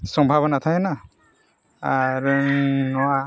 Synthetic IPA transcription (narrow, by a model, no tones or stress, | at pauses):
sɔmbʱabɔnat̪ʰajena | aɾnɔwa